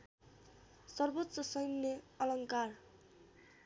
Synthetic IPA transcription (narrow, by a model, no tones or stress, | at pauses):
sʌrbot̪ːsʌsʌjnne | ʌlʌŋkar